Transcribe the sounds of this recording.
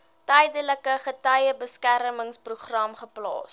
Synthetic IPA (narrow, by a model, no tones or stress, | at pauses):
tɛjdələkəχətœjəbəskæɾəməŋspruχrɐmχəplɑ̰ːs